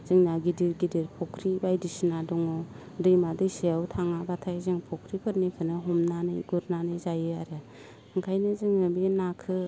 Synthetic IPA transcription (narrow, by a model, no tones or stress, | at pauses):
z̥ɯŋnaɡidiɾɡidiɾpʰɔkʰɾibajdisinadɔŋɔ | dɯjmadɯjseawtʰaŋabatʰajzɯŋpʰɔkʰɾipʰɯt̚nikʰɯnɯɦɔmnanɯ̰jɡuɾnanɯjzajɯaɾɯ | ɯŋkʰajnɯzɯŋnɯbinakʰɯ